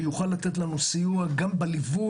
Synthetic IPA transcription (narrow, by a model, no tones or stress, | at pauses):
juχalːat̪e̞t̪̬lanusijuaɡambelivu